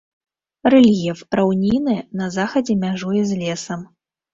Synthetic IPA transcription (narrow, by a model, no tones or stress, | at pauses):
rɛlʲjɛfrawnʲinɨjɛnɐzaxɐd͡zʲɛmʲaʐujɛzʲlʲɛsɐm